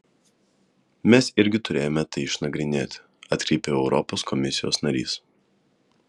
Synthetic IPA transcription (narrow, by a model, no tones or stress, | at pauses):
mʲɛsɪɾʲɡʲɪt̪ʊɾʲeːjomʲɛt̪ɐɪɪʃnɐɡɾʲɪnʲeːt̪ʲ | ɐt̪ʲkɾʲɛɪpʲeːɛʊɾɔpoːskʰɔmʲɪsʲɪjo̰ːsnɐɾʲḭːs